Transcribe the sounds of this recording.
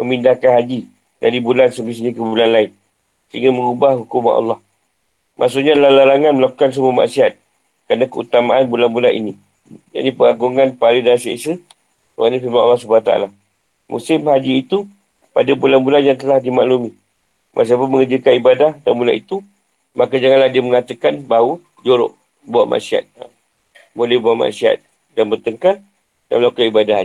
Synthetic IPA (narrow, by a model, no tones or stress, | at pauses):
məmindahkanɦad͡ʒi | daɾibulansəbis̬əɲakəbulanlaɪn | səɦiŋɡaməŋubahɦukumanɑ̰lːɑh | mʔa̰ʔsuʔɲalalalaŋanməlaku̥kans̬əmuama̰ʔsiat̪̚ | kəɾanakəut̪amaʔanbulanbulanʔḭni | d͡ʒa̰nipəŋaɡuŋanpalidasiḛʔsə | oanifimanɑ̰lːɑsubaat̪aa̰la | mṵsɪmhad͡ʒiːt̪u | padabulanbulanjaŋt̪əlahdimaʔlumi | mʔas̬apʊnməŋəd͡ʒəkanibadahdanbulaʔit̪u | makad͡ʒaŋanlahdiəməŋat̪əkanbaɦu | d͡ʒoɾo̰ʔ | bawaʔma̰ʔsia̰t̪̚ | bolɛhbawaʔma̰ʔsiɦa̰t̪̚ | danbərt̪əŋkal | da̰mlakaibadah